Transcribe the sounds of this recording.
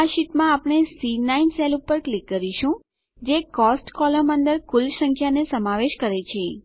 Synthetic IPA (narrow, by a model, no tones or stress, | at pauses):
aʃit̪mãapɳ̃esinainselupːəɾklikːəɾiʃũ | d͡ʒekɔsʈkɔləmə̃nd̪əɾkʊlsəŋkʰjanesəmaʋeʃkəɾet͡ʃʰe